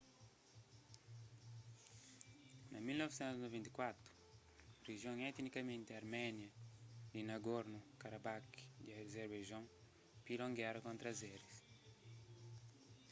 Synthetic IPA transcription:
nɐmilnɔvsɛ̃nt̪uznovɛ̃nt̪i̥kwat̪ɾu̥ | reʒjõŋɛt̪nikɐmẽnt̪eɐɾmɛnjɐd̪inɐɡoɾnukaɾabakd̪iɐezeɾbeʒõŋ | pilõŋɡjaɾɐkõnt̪ɾɐzɛɾis

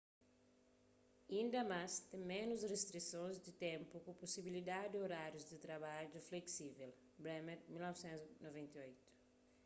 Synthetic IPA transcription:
ĩnd̪ɐmast̪ẽmẽnuzrest̪ɾisõzd̪ɪt̪ẽmpukʊpusibilid̪ad̪d̪ɪoɾaɾjuzd̪ɪt̪ɾɐβad͡ʒufleksivel | bɾɛmeɾmilnɔvsẽnznovẽnt̪eojt̪u̥

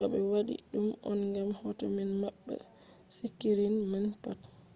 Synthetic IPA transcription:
aɓɛwaɗḭɗumɔnŋɡamhɔtɔminmaɓːɛ̰ | sikːiɾinmɛnpat

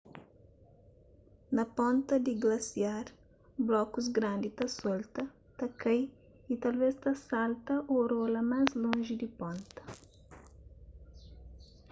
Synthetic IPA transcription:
nɐpɔ̃nt̪ɐd̪iɡlɐsiaɾ | blɔkuzɡɾãnd̪it̪ɐsɔlt̪ɐ | t̪ɐkɐj | it̪alvest̪asalt̪ɐʔoɾolɐmajzlõʒid̪ipõnt̪ɐ̥

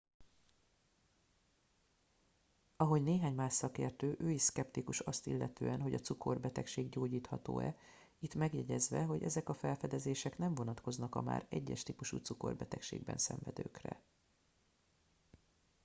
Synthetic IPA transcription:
ɒɦo̞ɟneːɦaːɲmaːʃsɒkḛːrt̪øːʔøːjiskɛpt̪ikuʃɒst̪ilːɛt̪øːɛnɦo̞ɟɒt̪suko̞rbɛt̪ɛkʃeːɡɟoːɟiːt̪hɒt̪o̰ːɛ̰ | it̪mɛɡjɛɟɛzʋɛɦo̞ɟɛzɛkɒfɛlfɛd̪ɛzeːʃɛknɛɱvo̞nɒt̪ko̞znɒkɒma̰ːɾɛɟːɛʃt̪ipuʃṵːt̪suko̞̰rbɛt̪ɛkʃḛːɡbɛ̰nsɛ̰ɱvɛd̪ø̰ːkrɛ̰

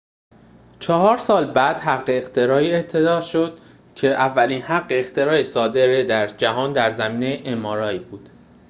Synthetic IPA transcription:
t͡ʃʰɒɦɒːɾsɒːlbæd̪̥hæʁːeːχt̪ʰe̞ɾɒːiːe̞t̪ʰːe̞d̪ɒːʃo̞d̪̥ | cʰe̞ʔævːæliːnhæɢːeːχt̪ʰe̞ɾɒːesɒːd̪e̞ɾed̪æɾd͡ʒæɦɒːnd̪æɾzæmiːnejʔemɒːɾɒːjibuːd̪̥

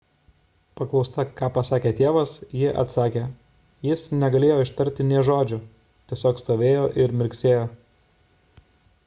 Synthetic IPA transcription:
pɐklˠɒʊst̪ɐkɑːpɐsɑːkʲeːt̪ʲeɛʋɐsjɪʔɐ̰t̪sɑːkʲeː | jɪsnʲɛɡɐlʲeːjoːɪʃt̪ɐɾʲt̪ʲɪnʲiɛʒoːd͡ʒʲʊ | t̪ʲiɛsʲoːkst̪oːʋʲeːjoːʔɪɾmʲɪɾʲksʲeːjoː

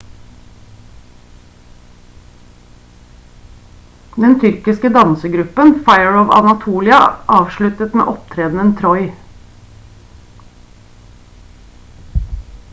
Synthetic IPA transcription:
d̪ɛnt̪ʰʏɾkɪskəd̪ɑnsəɡɾʉpənfɑɪəɹɔʋɑ̰nɑt̪ʰuːlɪɑʔɑːʋʃɭʉt̪ət̪mḛːʔɔpt̪ʰɾeːd̪n̩ənt̪ʰɾɔʏ

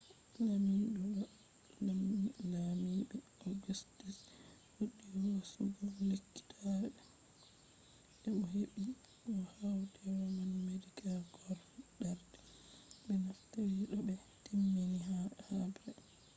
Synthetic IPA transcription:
laminɗuɗɔ | lalamiɓɛoɡustis | huɗːiwasuɡɔlekːi̥tʰaɛ | ɛmɔɦeɓi | kɔhawtʰɛwɔmanmedikalɡɔɾ | ɗaɾdɛ̥ | ɓɛnaftaɾiɗɔbɛ | timːiniɦahabɾɛ

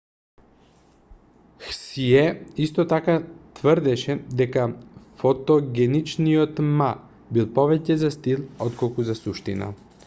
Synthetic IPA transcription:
xsiɛist̪ot̪akat̪vəɾd̪ɛʃɛd̪ɛkafot̪oɡʲɛnit͡ʃnijot̪ma | bilˠpɔvɛcɛzast̪ilˠɔt̪kolˠkuzasuʃt̪ḭna̰

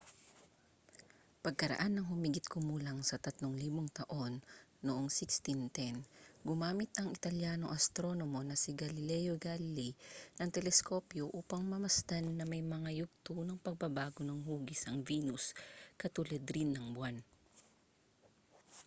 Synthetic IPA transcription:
pɐɡ̚kɐɾɐ̰ʔanːɐŋɦʊmiɡɪt̪̚komuːlɐŋsɐt̪ɐt̪loŋliːboŋt̪ɐʔo̞nːoʔoŋsɪkst̪int̪ɛnɡʊmaːmɪt̪ɐŋɪt̪ɐljano̞ʔɐst̪ɾo̞nomo̞nɐsɪɡɐlɪlɛjoɡalɪlinɐŋt̪ɛlɛsko̞ːpjoʔuːpɐŋmɐmɐst̪ɐnːɐmɐjmɐŋajʊɡ̚t̪unɐŋpɐɡ̚bɐbaːɡonɐŋɦuːɡɪsɐŋviːnʊskɐt̪ulɐd̪ɾɪnːɐŋbwan

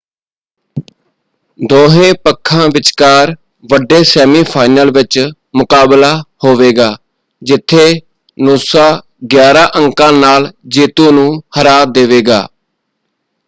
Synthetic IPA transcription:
d̪oːɦẽːpəkʰːãːʋɪt͡ʃkaːɾ | ʋəɖeːsɛːmiːpʰaːɪnəlʋɪt͡ʃ | mʊkaːblaːhoːʋeːɡaː | d͡ʒɪt̪ʰːeː | noːsãː | ɡjaːɾãːʔəŋkãːnaːld͡ʒeːt̪õːnũːhəɾaːd̪eːʋeːɡa̰ː

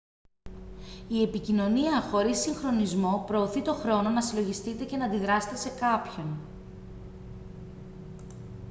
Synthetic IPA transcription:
ie̞picino̞niɐxo̞ɾisːiŋxɾo̞nizmo̞pɾo̞ːθit̪o̞xɾo̞no̞nɐsilo̞ʝist̪it̪e̞ce̞nɐːnd̪iðɾɐset̪ese̞kɐpço̞n

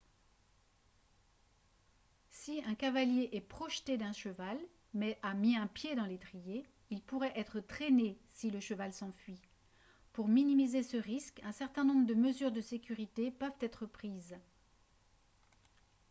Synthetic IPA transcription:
siɛ̃kavaljeʔɛpχɔʃt̪ed̪ɛ̃ʃəval | mɛʔamiɛ̃pjed̪ɑ̃let̪χije | ilpuʁɛʔɛt̪χət̪χenesiləʃəvalsɑ̃fɥi | puʁminimizesəʁiskɛ̃sɛʁt̪ɛ̃nɔ̃bʁəd̪əməzyʁd̪əsekʲyʁit̪epœvt̪ɛt̪χəpχiz

